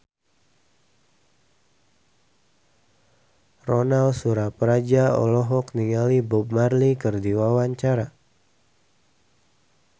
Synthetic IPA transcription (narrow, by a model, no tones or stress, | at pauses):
rɔnalsuɾapɾad͡ʒaɔ̰lɔɦɔkniŋalibɔb̚marlikɨrdiwawaɲt͡ʃaɾa